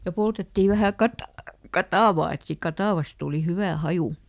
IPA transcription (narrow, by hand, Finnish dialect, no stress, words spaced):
jɑ poltetːiˑ ʋæhæˑ kɑtɑ kɑtɑˑʋɑː et siːk kɑtɑˑʋɑs tuˑli hyʋæ hɑju